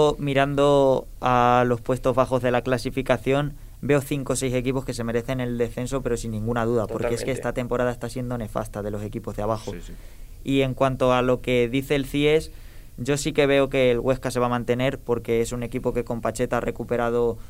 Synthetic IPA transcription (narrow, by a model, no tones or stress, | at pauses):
miɾand̪o̞ | alo̞spwe̞st̪o̞zβaxo̞zðe̞laklasifikaθjo̞n | be̞oθiŋko̞sejse̞k̬ipo̞ske̞se̞me̞ɾe̞θe̞ne̞ld̪e̞sθe̞ns̬o̞pe̞ɾo̞sinːĩŋɡunað̞uðapo̞ɾkeeskeest̪at̪e̞mpo̞ɾaðae̞st̪asje̞nd̪o̞ne̞fa̰st̪að̞e̞lo̞se̞kipo̞zðeaβ̞axo | ie̞ŋkwant̪o̞alo̞ke̞ðiθe̞ːlθie̞s | ɟ͡ʝo̞sike̞β̞e̞o̞ke̞ːlɣwe̞skase̞β̞amãnt̪e̞neɾpo̞ɾke̞esune̞kipo̞ke̞ko̞mpat͡ʃe̞t̪aare̞kupe̞ɾað̞o̞